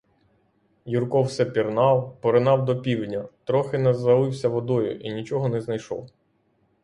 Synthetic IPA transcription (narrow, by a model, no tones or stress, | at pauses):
jurkɔwsɛpʲirnɑwpɔɾɪnɑwd̪ɔpʲiwdʲnʲɐt̪ɾɔxɪnɛzɐlˠɪwsʲɐʋɔd̪ɔjʊ̰ʔinʲit͡ʃɔɦɔnɛznɐjʃɔ̰w